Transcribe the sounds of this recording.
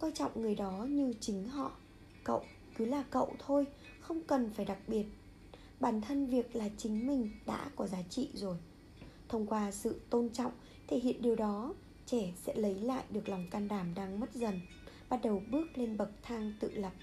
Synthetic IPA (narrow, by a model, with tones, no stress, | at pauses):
kwaː˧nt͡ɕɔ̰˧˨wŋ͡mŋɨ˨˩əjɗɔ˨˦ɲɨ˧t͡ɕï˨˦ŋ̟ɦɔ̰˧˨ | kə̰˧˨w | kɨ˨˦laː˨˩kə̰˧˨wt̪ʰo˧j | xə˧wŋ͡mkə˨˩nfaː˧˩jɗa˨˩k̚ɓi˨˩ət̚ | ɓaː˧˩nt̪ʰə˧nvi˨˩ək̚laː˨˩t͡ɕï˨˦ŋ̟mï˨˩ŋ̟ɗa̰ː˧˥kɔ˨˦zaː˨˦t͡ɕḭ˧˨zo˨˩j | t̪ʰə˧wŋ͡mkwaː˧sɨ̰˧˨t̪o˧nt͡ɕɔ̰˧˨wŋ͡m | t̪ʰe˧˩hḭ˧˨ənɗi˨˩əwɗɔ˨˦ | t͡ɕɛ˧˩sɛ̰˧˥lə˨˦jla̰ː˧˨jɗɨ˨˩ək̚la˨˩wŋ͡mkaː˧nɗaː˧˩mɗaː˧ŋmə˦˥t̚zə˨˩n | ɓaː˦˥t̚ɗə˨˩wɓɨ˦˥ək̚le˧nɓə˨˩k̚t̪ʰaː˧ŋt̪ɨ̰˧˨lə˨˩p̚